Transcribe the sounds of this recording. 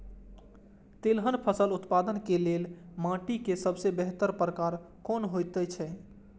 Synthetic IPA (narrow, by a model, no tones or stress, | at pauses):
t̪elɦənpʰəsəlut̪pad̪ənkelelmãʈikesəbsebɛɦt̪əɾpɾəkaɾ | konɦojt̪ɛt͡ʃʰɛ